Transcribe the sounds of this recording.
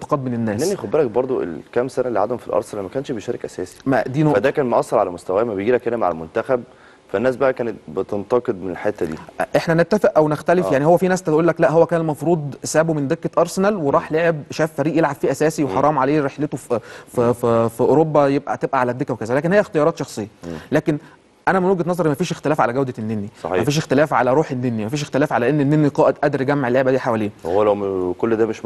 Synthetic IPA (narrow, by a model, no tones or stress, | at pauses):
t̪ɑ̥qɑd̪̚melenːæːʔenixobːeɾæk̚bɑɾˤd̪ˤoʔḛlkæmsænælːiʕad̪homfilʔɑ̰ɾˤsenælmækæːnʃbeʃæːɾekʔæ̰sæːsi̥mæd̪iːnoæd̪æːkæːnmoʔɑsˤːɑɾʕalæmost̪æwæmæbejɡiːlækʔenæmaʕalæ̰lmont̪æxæb̚ | fænːæːs̬bæʔækæːnet̪̚bet̪ent̪ɑqed̪̚menelħet̪ːæd̪ḭʔeħnænet̪ːæfeʔʔæwnext̪ælefjaʕnihowːæfiːnæːsæt̪ʔuːlːæklæʔɦowːækæːnelmɑfɾuːd̪ˤsæːbumend̪ekːæʔɑɾˤsenælweɾˤɑːħleʕebʃæːfːæɾiːʔjelʕab̥fiːʔæsæːsiweħɑɾˤɑːmʕaleːɾeħlet̪ofififiʔoɾobːæjeb̚ʔæ̰t̪ebʔæʕalæd̪ekæwekæzælæːk̬enhejːæxt̪ejɑɾɑːt̪ʃɑxsˤejːɑlæːken | ʔænæmænwoɡæt̪nɑzˤɑɾˤmæfiːʃext̪elæːfʕa̰læɡæwd̪ænːenːisˤɑ̰ħmæfiːʃ̬ext̪elæːfʕa̰læɾˤuːħenːenːimæfiːʃext̪elæːfʕalæʔenːenːenːiqɑːʔed̪ʔæd̪ɾɡæmːeʕelːeʕbæd̪iːħawæliːnhowːlæwmkolːd̪æːmeʃ